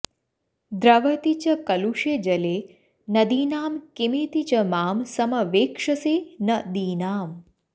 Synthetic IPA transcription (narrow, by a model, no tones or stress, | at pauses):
d̪ɾɐʋɐt̪it͡ʃɐkɐluʃeːd͡ʒɐleː | nɐd̪iːnaːmkimiːt̪it͡ʃɐmaːmsɐmɐʋeːkʂɐseːnɐd̪iːnaːm